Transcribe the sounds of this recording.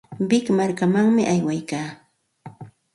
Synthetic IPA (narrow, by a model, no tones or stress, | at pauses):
bɪkmaɾkamaŋmɪʔajwajkaː